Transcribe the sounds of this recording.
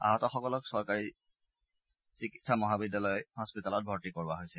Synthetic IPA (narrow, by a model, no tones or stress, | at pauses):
a̰ɦɔtɔxɔkɔlɔksɔɹkaɹi | sikitsamɔɦabidːalɔjhɔspitalɔt̚bʱɔɹtikoɹbaɦojsɛ